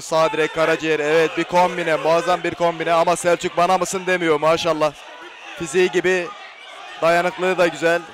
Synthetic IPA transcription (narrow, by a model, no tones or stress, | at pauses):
saːd̪iɾɛkʰːaɾad͡ʒijɛɾɛvɛt̪̚bikʰombinɛmaːzanbiɾkʰo̞mbinɛamasælʲt͡ʃʰyc̚banamɯsɯnd̪emijo̞ɾumaːʃalˠːah | fiziiɟibi | d̪̥ajanɯklˠɯɯd̪aɟyzælʲ